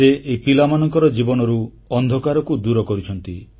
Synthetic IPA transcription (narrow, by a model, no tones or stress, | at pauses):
eʔepilamanɔŋkɔɾɔd͡ʒibɔnɔɾu | ɔnd̪ʱɔkaɾɔkud̪uɾɔkɔɾit͡ʃʰɔnt̪i